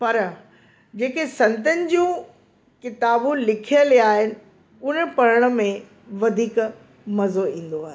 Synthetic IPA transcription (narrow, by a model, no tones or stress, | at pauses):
pɐɾ | d͡ʑeːkesɐ̃nt̪ənɪ̆d͡ʑũː | kɪt̪aːbũlɪkʰijəliaːɦɪnɪ̆ | ʊnə̆pɐɾəɽ̃ə̆mẽ | ʋɐd̪ʱiːk | mɐzoĩːn̆d̪oaːɦe